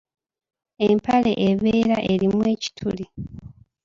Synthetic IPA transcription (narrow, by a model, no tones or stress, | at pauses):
e̞mpale̞̰ʔeβeːɾaʔe̞ɾimwe̞ːci̥tʰuli